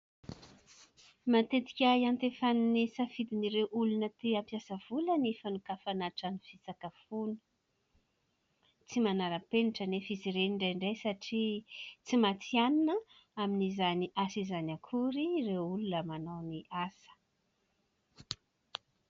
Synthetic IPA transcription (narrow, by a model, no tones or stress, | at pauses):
mat̪et̪i̥kʲajant̪efannesəfid̪iniɾewʔulunət̪eampjasəv̥ulənefənukafanaʈ͡ʂaniv̥it͡sakəfunə̥ | t͡simanaɾəpeniʈ͡ʂənefiziɾeniɳɖ͡ʐeɳɖ͡ʐejsaʈ͡ʂit͡simat͡sianinə | aminizaniʔasizanakʰuɾirewulunəmanawniʔasə̥